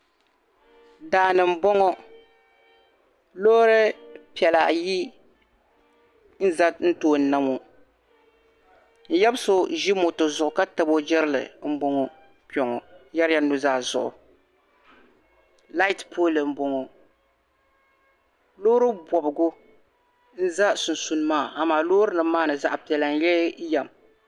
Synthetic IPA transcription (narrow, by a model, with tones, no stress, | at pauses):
daː˨nɨ˨m̩˦bɔ˦ŋɔ˦ | loː˦ɾɨ˦pi˨ɛ˨la̰˨ji˦ | n̩˦za˦n̩˦toː˦˨n̩˨na˦mo˨ | n̩˦jɛ˦bɨ˦so˦ʒi˦mo˨to˨zʊ˨ʔʊ˨ka˦ta˨bo˦d͡ʒɛ˦ɾɨ˦lɨ̰˨m̩˦bɔ˦ŋɔ˨ | pi˦ɔ˨ŋɔ˨˦ja˦ɾɪ˦ja˦nu˦zaː˦˨zʊ̰˨ʔʊ̰˨ | la˦i˦tpʰoː˦lɨ˨m̩˦bo˨ŋɔ˨ | loː˦ɾɨ˦bɔ˨bɨ˨ɡʊ˦ | n̩˦za˦su˨n˨su˨n˦maː˦˨a˨maː˨loː˦ɾɨ˦nɨ˨maː˦nɨ˨za˦ʔa˨pi˨ɛ˨la˨n̩˦jɛ˦ja˨m